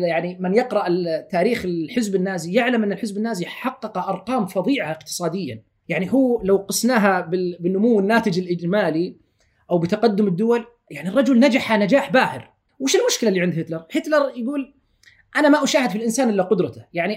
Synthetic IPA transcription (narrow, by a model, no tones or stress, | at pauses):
jaʕnimɪnjɑqɾˤɑʔɪt̪ːaːɾiːxɪħɪzbɪnːaːzijɪʕlamʔɪnːɪlħɪzbɪnːaːziħɑqːɑqɑʔɑɾˤqɑːmfɑðˤiːʕaʔɪqt̪ɨ̥sˤɑːd̪ɪjːa̰ | jaʕnihuːlawqɑsnaːɦabɪbɪnːʊmuwːɪnːaːt̪ɪd͡ʒɪlʔɪd͡ʒmaːli | ʔawbɪt̪aqɑd̪ːʊmɪd̪ːʊwal | jaʕnirˤːɑd͡ʒʊlnad͡ʒaħanad͡ʒaːħbaːhɪɾ | wɪʃɪlmʊʃkɪlalːiːʕɪnd̪hɪt̪lɑɾˤhɪt̪lɑɾˤjɡuːl | ʔanamaʔʊʃaːhɪd̪filʔɪnsaːnʔɪlːaqʊd̪ɾˤɑt̪ajaʕni